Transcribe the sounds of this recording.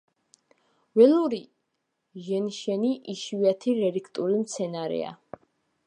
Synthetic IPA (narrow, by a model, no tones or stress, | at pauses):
wɛluɾi | ʒɛnʃɛniʔiʃviat̪ʰiɾɛɾikʰt̪ʼulimt̪sʰɛnaɾɛ̰a̰